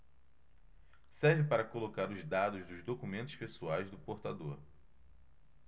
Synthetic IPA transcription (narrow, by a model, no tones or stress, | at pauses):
sɛɾvɪpaɾɐkolokaɾʊzd̪ad̪ʊzd̪ʊzd̪okumẽnt̪ʊʃpesuajzd̪ʊpoɾt̪ad̪oɾ